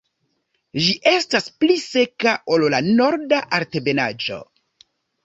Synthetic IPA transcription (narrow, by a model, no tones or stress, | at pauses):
ʒiʔe̞stasplise̞kaʔo̞llano̞ɾdaʔaɾte̞be̞nad͡ʒo̞̰